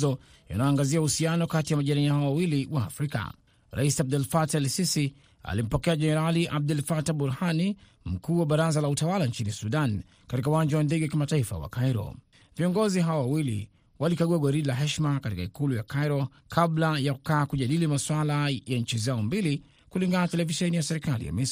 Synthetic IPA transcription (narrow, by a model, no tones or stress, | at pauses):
ɔ | ja̰naɔːŋɡaziauhusianɔkatijamaʄaɾaiahaɔwawiliwaːfɾika̰ | ɾa̰isiab̚dɛlfatɛlsisi | a̰lim̩pɔkɛaʄɛnɛɾaliʔab̚dɛlfataɓuɾhani | m̩kuːwaɓaɾazalautawalaɲt͡ʃinisuɗan | katikauwãɲd͡ʒawandɛɡɛwakimataifa̰wa̰kajɾɔ̰ | viɔŋɡɔziɦawawawilḭ | walikaɡuaɡɔɾilaɦɛʃmakatikaikulujakajɾɔ | kʰablajaku̥kaːkuʄaɗilimaswalajaɲ̩t͡ʃizaɔmbili | kuliŋɡanatɛlɛviʃɛnijasɛɾikalḭja̰mɛs